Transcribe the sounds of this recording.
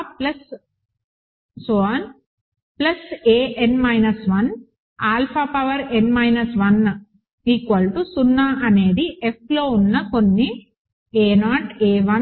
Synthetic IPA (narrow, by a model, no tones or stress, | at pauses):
plɐs | sʋn | plɐseːʔenmɐjnɐsʋɐn | aːlpʰaːpɐʋɐɾenmɐjnɐsʋɐn | iːkɐlʈusunːaːʔɐne̞ːd̪iʔep̚ʰlo̞ːunːɐko̞nːi | eːnaːʈeːʋɐ